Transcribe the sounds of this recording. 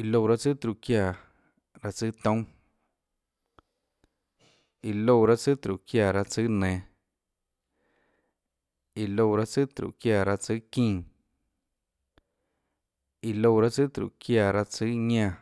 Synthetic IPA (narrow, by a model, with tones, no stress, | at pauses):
i˧lo˧˨ɾa˦t͡sɨ˦t̪ɾu˨ʔkja˧˨ | ɾa˧t͡sɨ˦t̪õ˦ | i˨lo˧˨ɾa˦t͡sɨ˦t̪ɾṵ˨ʔkja˧˨ɾa˧t͡sɨ˦nẽ˨˧˨ | i˨lo˧˨ɾa˦t͡sɨ˦t̪ɾṵ˨ʔkjaː˧˨ɾa˧t͡sɨ˦kĩː˦˧˨ | i˨lo˧˨ɾa˦t͡sɨ˦t̪ɾṵ˨kja˧˨ɾa˧t͡sɨ˦ɲã˧